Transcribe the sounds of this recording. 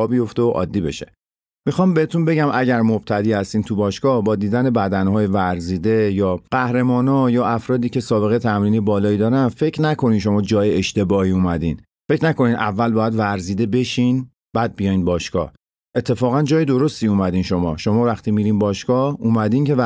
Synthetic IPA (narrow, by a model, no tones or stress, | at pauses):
ɒːbijo̞ft̪eoʔɒ̰ːd̪ːiːbe̞̰ʃe | mixɒːmbeet̪unbe̞ɟæmʔæɟæɾmob̥t̪ʰæd̪iːhæst̪iːnt̪ʰubɒːʃkɒːhbɒːd̪iːd̪æne̞bæd̪ænhɒːjevæɾziːd̪e̞jɒːɢæhɾe̞mɒːnɒjɒːæfɾɒːd̪iːcʰe̞sɒːbe̞ɣejet̪ʰæmɾiːniːebɒːlɒːiːd̪ɒːɾænfe̞cʰnækʰo̞niːnʃ̬o̞mɒːd͡ʒɒːjeeʃt̪e̞bɒːhiːuːmæd̪ḭːn | fecnæko̞nid̪ʔævːælbɒːjæd̪væɾziːd̪e̞be̞ʃiːn | b̥æːd̪̚bijɒjinbɒːʃkɒ̰ː | ʔe̞t̪ʰːe̞fɒːɣænd͡ʒɒːjed̪o̞ɾo̞st̪iːumæd̪iːnʃo̞mɒ̰ːʃo̞mɒːvæxt̪iːmiːɾiːnbɒːʃkɒːuːmæd̪iːnce̞